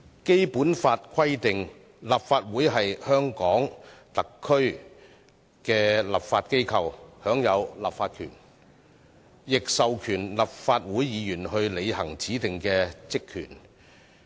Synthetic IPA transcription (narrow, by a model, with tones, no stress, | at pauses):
ke˥jpuː˨˥nfaː˧t̚kʰɐ˥jt̪ɪ˨ŋ | laː˨p̚faː˧t̚wuː˨˥jɦɐ˨jhœː˥ŋkɔː˨˥ŋt̪ɐ˨˩kʰːɵ˥ɥ | kɛː˧lɐ˨˩pfaː˧t̚ke˥jkʰɐ˧whœː˨˥ŋjɐ˨˧wla̰ː˨p̚faː˧t̚kʰy̰ː˨˩n | jɪ˨k̚sɐ˨wkʰyː˨˩nlɐ˨p̚faː˧t̚wuː˨˥jjiː˨˧jyː˨˩nhɵ˧ɥle˨˧jhɐ˨˩ŋt͡sʰiː˨˥t̪ɪ˨ŋkɛː˧t͡sɪ˥kʰːy̰ː˨˩n